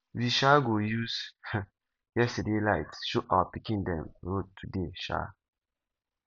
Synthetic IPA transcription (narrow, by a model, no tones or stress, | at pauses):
wiʃaɡojuz | jɛstədelajtʃuawəpikĩndɛ̰̃mɹod̚tʰudeʃa̰